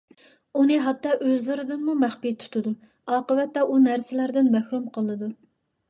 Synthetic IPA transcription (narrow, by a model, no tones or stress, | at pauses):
unɨɦɑt̪ːɑːʔøzlɨɾɨd̪ɨnmumæχpit̪ʰu̥t̪ʰɨd̪u | ɑːqəvɛt̪ːɛʔunæɾsɪlæɾd̪ɪnmɛhɾumqʰəlˠɨd̪u